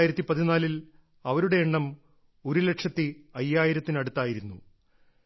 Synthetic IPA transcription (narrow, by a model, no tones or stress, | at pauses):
jiɾɐt̪ːipɐðinaːlil | ɐʋɐɾuɽe̞ːɳːɐm | o̞ɾule̞ʈʂɐt̪ːɨɐjːaːjiɾɐt̪ːinɐɽut̪ːaːjiɾunːṵ